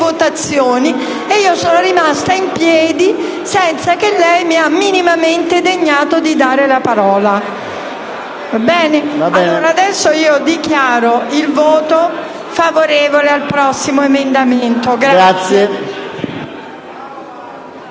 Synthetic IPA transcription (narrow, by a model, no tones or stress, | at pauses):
vot̪at̪sːjoːni | eiːosoːnoɾimast̪aimpjɛːd̪i | sɛnt̪sakelːɛjmiamːinimament̪ed̪eɲːaːt̪od̪id̪aːɾelapaɾɔːla | abɛːnealːɾaːd̪ɛsːoiːod̪ikjaːɾoilvoːt̪o | favoɾeːvolealpɾɔsːimoemend̪ament̪oɡɾaat̪sje